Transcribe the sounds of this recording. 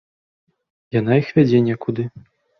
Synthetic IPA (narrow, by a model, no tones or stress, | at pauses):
jan̪ajixvʲad͡zʲɛnʲɛkud̪ɨ